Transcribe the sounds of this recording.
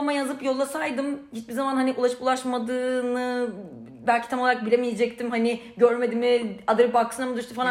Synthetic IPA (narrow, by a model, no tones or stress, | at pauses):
majazɯpjo̞lˠːasajd̪ɯmɟit͡ʃ̪̚bizamanhaniʔulˠaʃɯ̥pulˠaʃmad̪ɯːnɯ | bælʲcʰi̥t̪ʰamoaɾak̚biɾʲemijed͡ʒɛc̚t̪ʰimhani | ɟøɾme̞d̪imiad̪ɯɾbaksɯnamɯd̪yʃt̪ufalˠa